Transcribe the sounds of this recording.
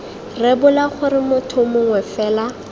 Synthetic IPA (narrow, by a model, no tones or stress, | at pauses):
rɛbʊlaχʊɾɪmʊtʰʊmʊŋwɛfɛːla